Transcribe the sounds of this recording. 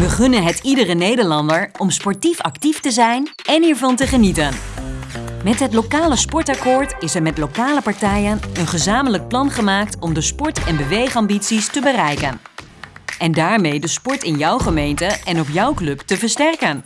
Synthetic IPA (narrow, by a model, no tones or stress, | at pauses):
ʋəχɵnənɦətidərənejdəɹlɑndəɹɔmspɔɹtifɑ̰ktiftəzɛjn | ɛniːɹvɑntəχənitən | mɛtɦətlowkaːləspɔɹtɑkʊːɹtɪsɛɹmɛtlowkaːləpɑɹtɛjənənχəzaːmələk̚plɑnχəmaːk̚tɔmdəspɔɹtɛnbəʋejχɑmbitsistəbərɛjkən | ɛndaːɹmejdəspɔɹtɪnjʌwχəmejntəʔɛnɔpjʌwklɵptəvəɹstɛrkən